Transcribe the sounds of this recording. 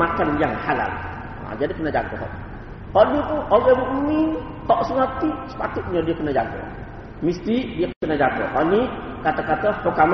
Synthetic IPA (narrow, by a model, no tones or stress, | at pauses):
akanjaŋhala̰l | a̰d͡ʒadikənəd͡ʒa̰k̪ɔ̰ɦɔ̰ʔ | hɔʔnit̪uʔoɡɛɾuʔmi | hɔʔsəŋat̪iʔsə̥pat̪ut̪̚ɲədiakənad͡ʒakɔ̰ | mist̪idiakənad͡ʒakɔ̰ɦɔʔni | kat̪akat̪əhukam